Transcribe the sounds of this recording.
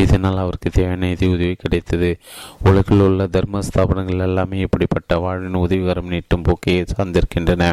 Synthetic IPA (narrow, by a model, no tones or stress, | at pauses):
ɪðɐnaːlɐʋɐɾɯkːɯt̪eːʋɐnɐɪðiʊðɐʋɐɪkːɪɽɐɪt̪ːɐðɯʊɻɐɣɪlʊɭːɐd̪ɐɾmɐst̪ʰaːpɐnɐŋɡɐɭɪlɛlːaːmeːɛpːɐɽipːɐʈːɐʋaːɻʋɪnʊðɐʋɪɣɐɾɐmniʈːɯmpoːkeɐsaːɾnd̪ɪɾɯkːɪndrɐnɐ